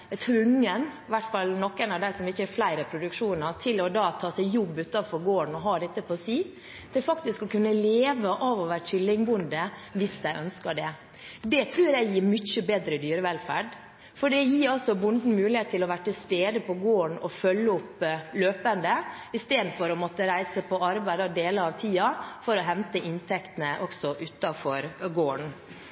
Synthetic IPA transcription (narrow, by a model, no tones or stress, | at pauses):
t̪ʰɾʉŋːən | ʋæʈfɑlnɔkːenɑʋd̪æɪsɔmɪçːəɛflæɪɾəpʰɾʊd̪ʉkʂuːnɑɾt̪ʰɪlɔd̪ɑːt̪ʰɑːsæɪjɔbːʉːt̪ɑfɔɾɡoːɳɔɦɑːd̪ɛt̪ːəpʰɔːsiː | t̪ʰɪfɑkt̪ɪskɔkʰʉnːəleːʋəʔɑːʋɔʋæːɾçʏlːɪŋbʊnd̪əʋɪsd̪æɪʔœnskɑɖɛ | d̪ɛt̪ʰɾʉːɾjæɪjiːɾmʏçəbeːd̪ɾəd̪yːɾəʋɛlfæ̰ɖ | fɔɖɛjiːɾɑlsɔbʊnd̪n̩mʉːlɪheːt̪t̪ʰːɪlɔʋæːʈɪlst̪eːd̪əpʰɔɡoːɳɔfœlːəʊpløːpənd̪əɪst̪eːd̪n̩fɔɾɔmɔt̪əɾæɪsəpʰɔɑɾbæɪd̪ɑʋd̪eːləɾɑʋt̪ʰiːɑfɔɾɔɦɛnt̪əʔɪnt̪ʰɛkt̪ənəʔɔksɔʔʉːt̪ɑfɔɾɡoːəɳ